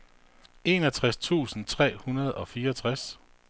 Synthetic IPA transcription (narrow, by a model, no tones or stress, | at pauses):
e̝ːnɒt͡sʰʁast͡sʰṵːsn̩t͡sʰʁɛ̰ːhunɐð̞̩ˠɒ̽fiːɐt͡sʰʁas